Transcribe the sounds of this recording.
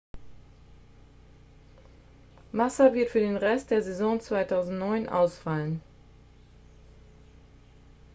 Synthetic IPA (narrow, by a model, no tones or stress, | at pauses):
masavɪɐtfyːɐdeːnʁɛst̚d̥eːɐzɛzɔ̃ŋt͡sv̥aɪtʰaʊzn̩tnɔʏnʔa̰ʊsfalən